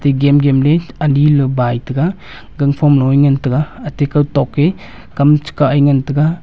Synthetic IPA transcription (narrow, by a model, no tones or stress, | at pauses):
teɡemɡemleanilɯbajtɯɡa | ɡɐŋpʰɔmlɔjŋantɯɡaɐtekawtɔkːe | kamt͡ʃi̥kaajŋantɯɡa